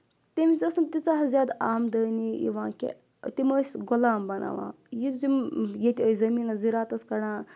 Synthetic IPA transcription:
t̪emit͡sɐsɨnt̪it͡saɦzʲjad̪aːmd̪əjniḭʋãkʲḛ | t̪iməsɡɔlaːmbɐna̰ʋã̰ | jit̪imjet̪ʲəizɐmiːnaziɾaːt̪ɐskɐɽãː

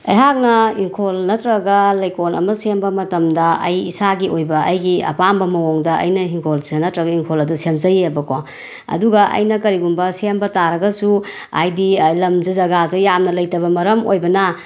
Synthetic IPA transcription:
ɐ̰jɦak̚nɐiŋkʰolnɐtɾɐɡɐlɐjkonʔɐ̰mɐsembɐmɐtɐmdɐɐjisaɡiojbɐɐjɡiɐ̰pambɐmɐwoŋdɐɐ̰jnɐɦiŋkʰolsennɐtɾɐɡɐiŋkʰolɐdusemzɐjeɐbɐko | ɐ̰duɡɐʔɐ̰jnɐkɐɾiɡumbɐsembɐtaɾɐɡɐsu | a̰jdilɐmzɯzɐɡazɐjamnɐlɐjtɐβɐmɐɾɐmo̰jbɐnɐ

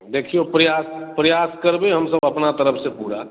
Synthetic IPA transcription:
d̪eːkʰijopɾəjaːspɾəjaːskəɾbeɦɐmsəbəpnat̪əɾəpʰsepuɽa̰

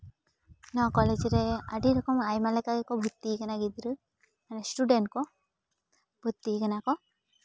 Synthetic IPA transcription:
nɔkɔled͡ʒiɾea̰ɖiɾɔkɔmajmalakaɡekɔbʱut̪ːikanaɡid̪ɾɯ | manesʈuɖeɳʈ̚kɔ | b̥ʱut̪ːikənakɔ

